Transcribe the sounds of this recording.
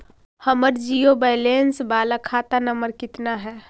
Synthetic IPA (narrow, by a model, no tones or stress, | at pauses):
həməɾd͡ʒijobaɪlensbaːlakʰat̪anəməɾkɪt̪naɦɛ